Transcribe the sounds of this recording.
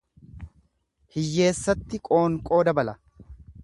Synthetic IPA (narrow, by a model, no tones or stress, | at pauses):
hɪjːe̞ːsːɐt̪ːɪkʼo̞ːŋkʼo̞ːd̪ɐbɐlɐ